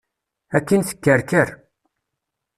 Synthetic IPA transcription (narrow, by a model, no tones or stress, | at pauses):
ækːənθə̥kːəɾkəɾ